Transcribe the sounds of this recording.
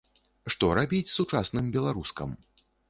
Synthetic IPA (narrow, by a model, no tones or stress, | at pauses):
ʂt̪ɔɾabʲit͡sʲsut͡ʂasnɨmbʲɛlˠaɾuskɐ̰m